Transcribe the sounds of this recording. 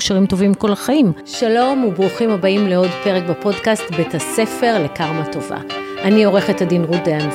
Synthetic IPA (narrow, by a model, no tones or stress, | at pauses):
kʃaʁimto̞vimːkolaχaimʃalo̞mubʁuχimhabaimleo̞dpe̞ʁekbapo̞dkastbetase̞fe̞ʁle̞kaʁmato̞va̰ | ʔanio̞ʁe̞χethadinʁudean